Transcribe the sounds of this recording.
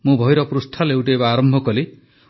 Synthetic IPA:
mũbʱɔjɾɔpɾust̪ʰalewʈeːbaːɾɔmbʱɔkɔli

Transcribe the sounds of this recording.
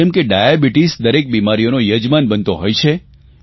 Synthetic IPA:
ɛmkeɖajabiʈisd̪əɾek̚bimaɾijonojəd͡ʒmanbənt̪oɦojt͡ʃʰe

